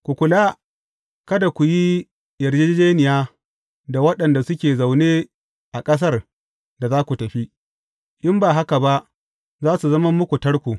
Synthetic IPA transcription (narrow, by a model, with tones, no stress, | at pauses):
kʷu˨kʷʊ˨laː˦ | kɐ˦da˨kʷu˨ji˦ | jɐ˨ɾd͡ʒe˦d͡ʒeː˦nɪ˨jaː˦ | da˨wɐ˦ɗɐ˨nda˨sʊ˦kʲeː˨za˨wneː˦ | ʔa˨kʼɐ˦s̬ɐ˦r | da˨zaː˦kʷu˨tɐ˨ɸi˦ | ʔɪ˦mbaː˨ɦa˦ka˨ba˦ʔ | zaː˦su˨zɐ˦mɐ˦mːʊ˦kʷu˨tɐ˦ɽkʷu˨